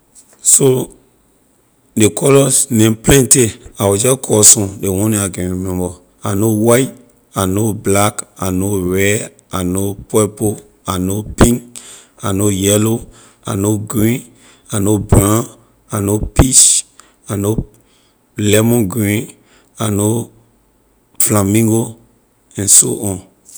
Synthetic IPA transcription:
so | dekʰɔlɔsnẽmplɛ̃nteawɔd͡ʒɔkʰɔsɔ̃dewɔ̃nẽaɡẽɹimɛ̃mbɔ | anowajt | anoblakanoɹɛ | anopɛpo | anopĩŋk | anojɛlo | a̰noɡɹĩn | anobɹã | anopit͡ʃ | ano | lɛmɔ̃nɡɹĩn | ano | flãmĩŋɡo | ɛ̃nso̰ʔɔ̃n

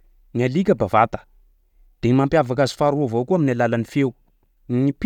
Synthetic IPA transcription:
nialikʲəbavat̪ə̥ | d̪̥enimampjavakazi̥faɾuavowkuaminalalanifew | nip

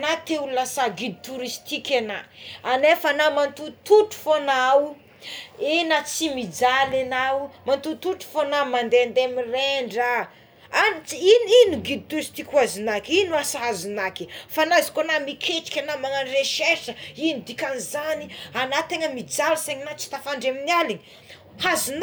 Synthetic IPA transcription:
nat̪eulasaɡid̪it̪uɾist̪ikʲenaanefanamant̪ut̪uʈ͡ʂu̥fonaw | enat͡simid͡zalenawmant̪ut̪uʈ͡ʂu̥fonamand̪eand̪amireɳɖ͡ʐa | ant͡siininuɡid̪it̪esi̥t̪ikwazinakinuasaɦazunaki̥fanazi̥konamikʰeʈ͡ʂi̥kʲanamaŋanreʃeʃəinid̪ikʲanizanianat̪eŋəmid͡zalseɲinat͡si̥t̪afaɳɖ͡ʐeminialiɲi | hazun

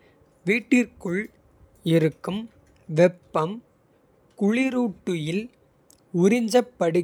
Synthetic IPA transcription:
ʋiːʈːɪrkɯɭ | ɪɾɯkːɯm | ʋɛpːɐm | kʊɻɪɾuːʈːɯjɪl | ʊɾɪɲd͡ʒɐpːɐɽɯ

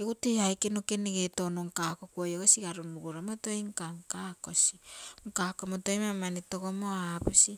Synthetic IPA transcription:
eɡuteajkenokeneɡetonoŋkakokuajoɡasiɡaɾunuɡuɾamotojŋkaŋkako̞siŋkakomotojmamanitoɡomoapisi

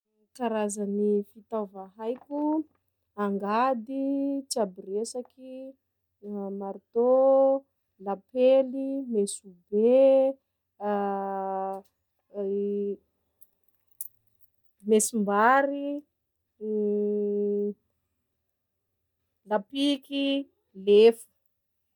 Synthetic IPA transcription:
kaɾazanifit̪avaɦajkʲu | aŋɡad̪it͡sabiresaki | maɾt̪o | lapelimesube | mesimbaɾi | lapiki | lefu̥

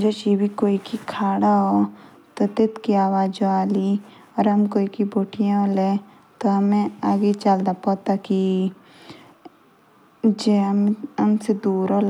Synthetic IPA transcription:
d͡ʒoːt͡ʃibʱikoːikikʰaːɽaɦo | t̪ot̪ɪt̪kiaːʋaːd͡ʒoaːli | ɔːɾɦɐmkoːikiboːʈijãole | t̪oɦɐmẽaːɡet͡ʃaːld̪apɔːt̪aki | d͡ʒeɐmsed̪uːɾol

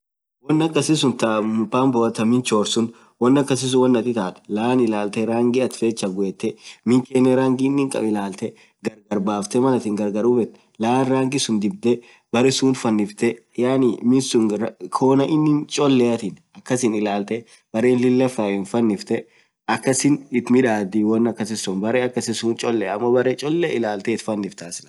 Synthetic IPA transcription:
wɔnːɐkːɐsɪs̬ʊnt̪aʊpaːmbɔɐt̪ːɐmɪnt͡ʃoːɾsʊn | wɐnːɐkːɐsɪs̬ʊwɐnːɐt̪ːɪt̪aːt̪ɛ̥lɐaːnɪlaːlt̪ɛɾaːŋɡɪɐt̪feːt͡ʃːɐɡʊet̪ːɛmɪŋkeːnːɛɾaːŋɡɪɪnːɪŋkʼɐ̰bɪlaːlt̪ɛ | ɡɐɾɡɐɾbaːft̪ɛmɐnɐt̪ɪŋɡɐɾɡɐɾʊbɛt̪ːɛ̥ | laaːnɾaːŋɡɪsʊnd̪ɪbd̪ɛ | bɐɾɛsuːnt̪fɐnːɪft̪ɛ | jaːnimɪsʊnkʰo̞ːnɐʔɪnːɪnt͡ʃʼɔlːeɐt̪ɪn | ɐkːɐsɪnɪlaːlt̪ɛ | b̥ɐɾeːnlɪlːɐfaːjʊnfɐnːɪft̪ɛ | ʔɐkːɐsɪnɪt̪mɪᶑaːd̪iːwɔnːɐkːɐsɪsɔnbɐɾeɐkːɐsɪsuːnt͡ʃʼɔlːɛɐmːɐbɐɾet͡ʃʼɔlːeɪlaːlt̪ɛɪt̪fɐnːɪft̪aːsɪnɐ

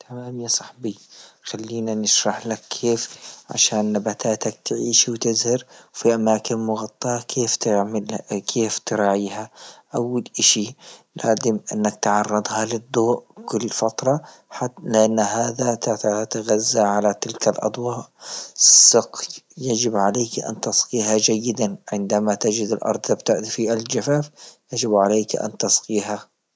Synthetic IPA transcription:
t̪ʰamaːmjasˤɑħbixalːiːnanɪʃɾˤɑħlakʰːeːfʕa̰ʃaːnːabat̪aːt̪ak̚t̪ʕiːʃwt̪ɪzhɪɾwfiʔamaːkɪnmʊɣɑt̪ˤːɑɑkʰeːft̪ɪʕmlkʰeːft̪ɾˤɑːʕiːhaʔawːalʔaʃilaːzɪmʔɪnːak̚t̪ʕɑrˤːɨd̪ˤhɑlɪd̪ˤːoːʔkʊlːfɑt̪ɾˤɑ | ħalɪʔanːhaːðat̪at̪at̪aɣazːaʕalat̪ɪlkalʔɑ̰d̪ˤwɑːʔ | sˤːɨqjad͡ʒɪbʕaleːkʔa̰nt̪ɑsqiːɦad͡ʒajːɪd̪anʕɪnd̪amat̪ɪd͡ʒɪd̪ɪlʔɑ̰ɾˤd̪ˤt̪abt̪aʔ̪fiːʔald͡ʒafaːfjad͡ʒɪbʕaleːkʔa̰nt̪ɑsqiːɦa

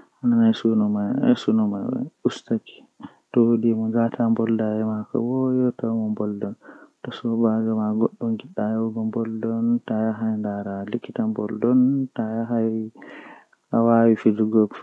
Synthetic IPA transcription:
ʔananajsunɔmaj̰a̰sunɔmajwɛ̰ustaki̥ | tɔwoɗimɔd͡ʒatʰambɔldajɛmaka̰wɔjɔtawmɔmbɔldɔntɔsɔbaɡamaɡɔɗːɔnɡiɗːajɔwɡɔmbɔldɔntajaɦajndaɾalikːitambɔldɔntajaɦaj | awawifid͡ʒuɡɔ

